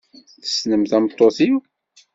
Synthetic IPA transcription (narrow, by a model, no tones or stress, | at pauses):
θə̥snəmθæmt̪ˤːoθiw